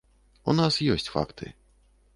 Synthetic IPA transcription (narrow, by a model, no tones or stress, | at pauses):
unasjɔsʲt͡sʲfa̰kt̪ʰɨ̰